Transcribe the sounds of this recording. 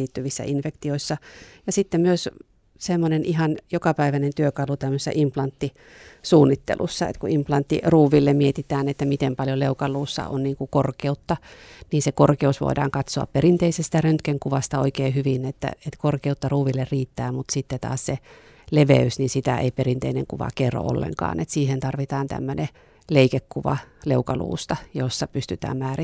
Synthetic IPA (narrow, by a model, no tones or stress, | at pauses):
iːt̪ːyʋisːæ̰ʔinfekt̪ioisːɑjɑsit̪ːemyøs | semːonenʔiɦɑnjokɑpæiʋænent̪yøkɑlut̪æmːøsesːʔimplɑnt̪ːi | suːnːit̪ːḛlʔṵsːɑ̰ḛt̪kuimplɑnt̪ːḭruːʋilːemmiet̪it̪æːnet̪ːæmit̪empɑljoleukɑlːˑuːsːɑ̰ʔo̰nniːŋkukorkeut̪ːɑniːsekorkeusʋo̰idɑ̰ːŋkɑt̪soɑ̰pperint̪eisest̪ærønt̪keŋkuʋɑst̪ɑo̰ikeːhyʋinet̪ːæ̰et̪korkeut̪ːɑruːʋilːerriːt̪ːæːmut̪sit̪ːet̪ɑ̰ːsse | leʋḛysnisit̪æʔḛiperint̪einḛŋkuʋɑ̰kerːo̰ʔo̰lːḛŋkɑ̰ːnet̪siːhent̪ɑrʋit̪ɑːnt̪æ̰mːøne | leikekkuʋɑ̰leukɑlṵːst̪ɑjosːɑpyst̪yt̪æ̰ːmmæːri